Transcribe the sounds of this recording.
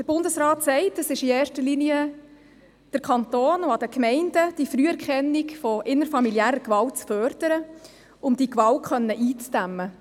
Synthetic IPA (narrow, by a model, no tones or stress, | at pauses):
d̥əɾb̥ʊndəsɾɑːtsɛɪtəsɪʃieːɾʃtəɾliniə | d̥əɾkʰɑnt̪oːnʊɑd̥əkmɛɪnd̥əd̥ifɾyːɛɾkχɛnːikfɔʔɪnəɾfɑmilijæːɾəkʋɑlt̚t͡sfœrd̥əɾə | ʊmd̥ikʋɑlt̚χœnːəʔiːt͡sd̥æmːə